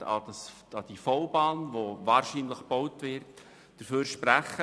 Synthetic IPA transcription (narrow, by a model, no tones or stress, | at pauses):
ɑ̰dɑs | ɑd̥ifɔʊbɑːnʋovɑːɾʃinləχb̥ɔwtʋɪɾt | d̥əɾføːɾʃpɾæχə